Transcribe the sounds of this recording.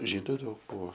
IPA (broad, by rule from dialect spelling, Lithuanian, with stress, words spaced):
ˈʒʲiːdʊ ˈdɐʊk ˈbʊʋoː